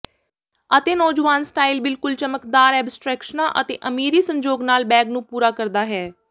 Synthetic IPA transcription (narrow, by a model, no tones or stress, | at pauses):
ət̪eːnɔːd͡ʒʋaːnsʈaːilbɪlkʊlt͡ʃəməkd̪aːɾɛːbsʈɾɛːkʃənãːʔət̪ḛːʔəmiːɾiːsə̃ɲd͡ʒoːɡnaːlbɛːɡnũːpuːɾaːkəɾd̪aːɦɛː